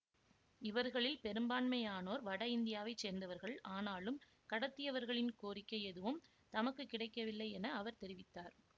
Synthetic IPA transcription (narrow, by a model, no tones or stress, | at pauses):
ɪʋɐɾɣɐɭɪlpɛɾɯmbaːnmɐjaːnoːɾʋɐɽɐɪnd̪ɪjaːʋɐɪt͡ʃːeːɾnd̪ɐʋɐɾɣɐɭʔaːnaːlɯm | kɐɽɐt̪ːɪjɐʋɐɾɣɐɭɪnkoːɾɪkːɐɪɛðɯʋɯm | t̪ɐmɐkːɯkːɪɽɐɪkːɐʋɪlːɐɪɛnɐːʋɐɾt̪ɛɾɪʋɪt̪ːaːɾ